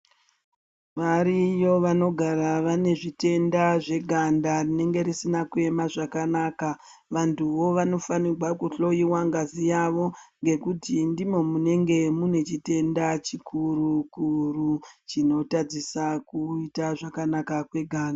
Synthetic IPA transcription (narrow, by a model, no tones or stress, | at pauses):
ʋaɾijo̞ʋano̞ɡʱaɾaʋane̞ʐite̞ndaʐe̞ɡʱandarine̞ŋɡe̞ɾisinakue̞maʐakanaka | ʋantuʋo̞ʋano̞fanirwakuɬo̞jiwaŋɡazijaʋo̞ŋɡe̞kutindimo̞mune̞ŋɡe̞mune̞t͡ʃite̞ndat͡ʃikʰuɾukurut͡ʃino̞tad͡zisakuitaʐakanakakwe̞ɡʱaːnda